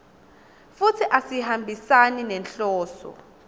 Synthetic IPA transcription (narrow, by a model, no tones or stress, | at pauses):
futʰiʔasihambʱisaninɛnɬɔːsɔ̰